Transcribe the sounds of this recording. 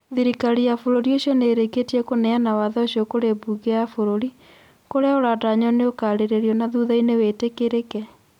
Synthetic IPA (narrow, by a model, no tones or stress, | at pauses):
ðiɾikaɾijafoɾoɾioɕiɔneːɾeketiɛkonɛanawaðɛoɕiokoɾebuɣeafoɾoɾi | koɾeaoɾadaɲɔneokaɾeɾeɾjɔnaðuðainewetekeɾekɛ